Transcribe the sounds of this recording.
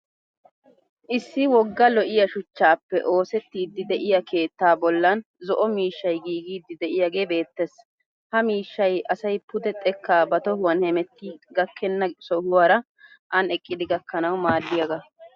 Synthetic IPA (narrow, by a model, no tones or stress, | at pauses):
ʔɪsːɪwɔɡːɐlɔʔɪjɐʃʊt͡ʃːaːpːɛ̰ʔo̞ːsɛt̪ːiːd̪ːɪd̪ɛʔɪjɐkʰe̞ːt̪ːaːbɔlːɐn | zɔʔɔmiːʃːɐjɡiːɡiːd̪ːɪd̪ɛʔɪjaɡe̞ːbe̞ːt̪ːɛs | hɐmiːʃːɐjʔɐsɐjpʊd̪ɛt̪ʼɛkːaːbɐt̪ɔhʊwɐnhɛmɛt̪ːiːɡɐkʰːɛnːɐsɔhʊwaːɾɐ | ʔɐnɛkʼːɪd̪ɪɡɐkːɐnɐwmaːlːɪjɐɡɐ